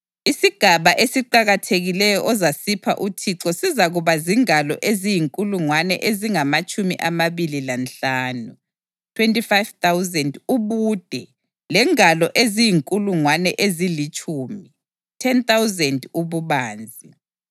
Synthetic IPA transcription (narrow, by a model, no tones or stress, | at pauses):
isiɡ̥ʱaβaʔesiǃaɣatʰeɣilɛjɔʔɔzasipʰa̰ʔutʰiǁɔsizaɣuβaziŋalɔʔezijiŋkʼuluŋwanɛ̰ʔeziŋamat͡ʃʼumiʔamaβililanɬaːnu | tʰwɛntʼifajvt̪awzɛnduβuːd̥ʱɛ | lɛŋalɔʔezijiŋkʼuluŋwanɛʔezilit͡ʃʼuːmi | tʰɛnt̪awzɛnduβuβaːnd͡zʱi